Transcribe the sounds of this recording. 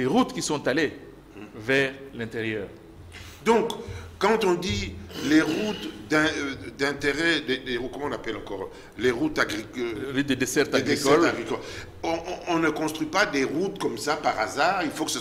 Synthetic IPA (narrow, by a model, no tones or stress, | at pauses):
eʁut̪kʲisɔ̃t̪ale | vɛʁlɛ̃t̪eʁjœːʁ | d̪ɔ̃kkːɑ̃t̪ɔ̃d̪ileʁut̪d̪ɛ̃d̪ɛ̃t̪eʁɛd̪ed̪eʁukɔmɑ̃napɛlɑ̃kɔːʁ | leʁut̪aɡʁikʁut̪̚d̪əd̪esɛʁt̪aɡʁikɔlaɡʁikɔl | ɔ̃ɔ̃nəkɔ̃st̪χipad̪eʁut̪kɔmsapaʁazaːʁilfokə̥sə